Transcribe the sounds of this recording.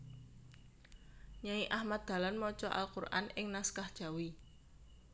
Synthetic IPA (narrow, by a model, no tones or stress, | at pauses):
ɲaiʔahmat̪̚d̪̥a̤lanmɔt͡ʃɔʔa̰lkurʔa̰nɪŋnaskahd̥ʒ̥a̤wi